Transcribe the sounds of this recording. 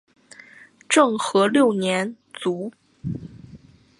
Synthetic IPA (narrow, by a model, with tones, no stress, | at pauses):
ʈ͡ʂɤ˥˩ŋxɤ˧˥ljo˥˩ʊnjɛ˧˥n | t͡su˧˥